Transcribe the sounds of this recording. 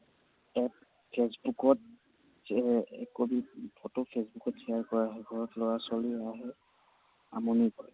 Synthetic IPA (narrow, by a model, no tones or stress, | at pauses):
ɛ | pʰesbukɔt̚ | ɛ̰kobipʰɔtɔpʰesbukɔtsɛjaɹkɔɹaɦɛɡʱɔɹɔtlɔɹasɔliaɦɛ | a̰mɔnikɔ̰ɹɛ